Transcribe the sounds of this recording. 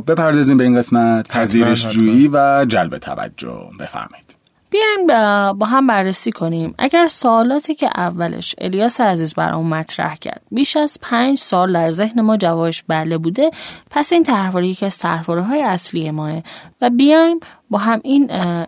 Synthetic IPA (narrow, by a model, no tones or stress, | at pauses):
be̞pʰæɾd̪ɒːziːmbeiːnɢe̞smæt̪pʰæziːɾeʃd͡ʒuːiːvæd͡ʒælbet̪ʰæ̰væ̰d͡ʒːo̰b̥e̞̰fæ̰ɾmɒ̰ji̥d̪̥ | b̥ijɒjmbɒːɦæmbærːesiːkʰo̞nimʔæ̰ɟæɾsoːlɒːt̪ʰiːcʰḛʔævːælḛʃḛlijɒːseæziːzbæ̰ɾɒ̰unmæt̪ʰɾæ̰hcʰæ̰ɾd̪̥̚biːʃæz̥pʰæɲd͡ʒsɒːld̪æɾze̞hne̞mɒːd͡ʒævɒːbeʃbælebuːd̪e̞pʰæsiːnt̪ʰæɾvoɾejecʰiæz̥t̪ʰæɾvoɾiɦɒːjeæslijemɒːevæbijɒjm | bɒːɦæmin